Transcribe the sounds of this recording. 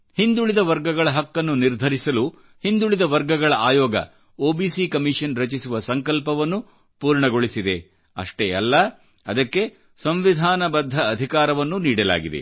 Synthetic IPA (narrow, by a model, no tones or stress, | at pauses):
hind̪uɭid̪ɐʋɐɾɡɐɡɐɭɐɦɐkːɐnːuniɾd̪ʱɐɾisɐlu | hind̪uɭid̪ɐʋɐɾɡɐɡɐɭɐʔaːjɔːɡɐ̰ | oːbiːsikɐmiʂɐnɾɐt͡ʃisuʋɐsɐŋkɐlpɐʋɐnːu | puːɾɳɐɡo̞ɭisid̪e̞ | ɐ̰ʂʈeɛ̰lːɐ | ɐd̪ɐkːe̞ | sɐmʋid̪ʱaːnɐbɐd̪ʱːɐːd̪ʱikaːɾɐʋɐnːuniːɽɐla̰ːɡid̪ḛ